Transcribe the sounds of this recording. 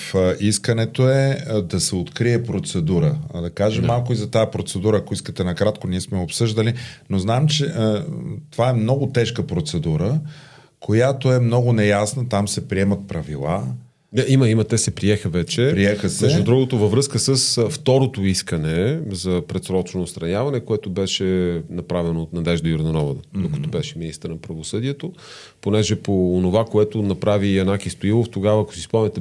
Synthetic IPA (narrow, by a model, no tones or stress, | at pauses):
fʔiskənɛt̪oɛd̪ɐsɛot̪kɾiɛpɾot̪sɛd̪uɾəd̪ɐkaʒɛmːalˠkʊizɐt̪ajəpɾot̪sɛd̪uɾəːkoiskət̪ɛnɐkɾat̪koniɛsmɛopsɤʒd̪əlinoznaɛmt͡ʃɛ | t̪ovaɛmnɔɡʊt̪ɛʃkəpɾot̪sɛd̪uɾə | kʰojat̪oɛmnɔɡʊnɛjasnət̪amsɛpɾiɛmɐt̪̚pɾɐvḭlˠa̰ | d̪aiməimɐt̪ɛsɛpɾiɛxəvɛt͡ʃɛpɾiɛxəsmɛʒd̪ud̪ɾuɡot̪ovɐvɾɤskəsəsft̪ɔɾot̪oiskənɛzɐpɾɛt̪sɾɔt͡ʃnoːt̪st̪ɾɐnʲjavɐnɛkoɛt̪obɛʃɛnɐpɾavɛnoːt̪nɐd̪ɛʒd̪ɐjoɾd̪ɐnɔvəd̪d̪okə̥t̪obɛʃɛminist̪əɾnɐpɾɐvosɤd̪iɛt̪o | ponɛʒɛpoːnovakoɛt̪onɐpɾaviɐnakist̪oilˠoft̪oɡavɐːko̥sispɔmnɛt̪ɛ